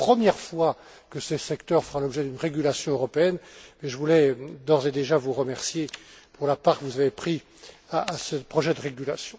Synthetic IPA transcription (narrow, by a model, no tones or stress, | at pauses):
pχəmjɛʁfwa | kəsəsɛkt̪œʁfəʁãlɔbʒɛd̪ynʁeɡʲylasjɔ̃øʁɔpeɛnmɛʒəvulɛd̪ɔʁzed̪eʒavuʁəmɛʁsjepuʁlapaːʁkəvuzavepχi | aːsəpχɔʒɛd̪əʁeɡʲylasjɔ̃